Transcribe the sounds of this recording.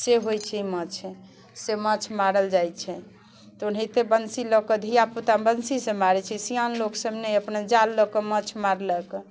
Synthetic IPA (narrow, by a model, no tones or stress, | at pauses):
seɦojt͡ʃʰɛimət͡ʃʰɛ | semət͡ʃʰmaɾəld͡ʒajt͡ʃʰɛ | t̪unɦet̪ebənsilɔkəd̪ʱijaput̪abənsisẽmaɾɛt͡ʃʰɛsijanloksəbneəpnad͡ʒalːɔkemət͡ʃʰmaɾləkɔ